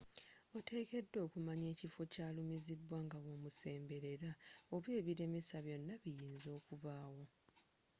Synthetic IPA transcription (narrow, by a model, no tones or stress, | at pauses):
o̞tʰe̞ːke̞dːo̞ːkumaɲe̞ːcifo̞caːlumizidwaːŋɡawo̞ːmuse̞ːmbe̞ɾe̞ɾaoβwe̞ːβiɾe̞mesaβjo̞nːaβijiːnzo̞ːkuβaːwo̞